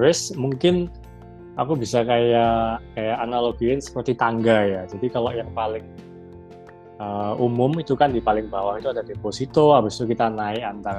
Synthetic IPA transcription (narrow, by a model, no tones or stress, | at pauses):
ɾɪsmuŋkɪn | akubisakajakajaʔːnaloɡ̥iɪnsə̥pərt̪it̪aŋɡajad͡ʒadikalojaŋpalɪŋ | əumʊmit̪ukandipalɪŋbawahit̪uadadeposit̪ɔabɪst̪ukit̪anaɪant̪aɾ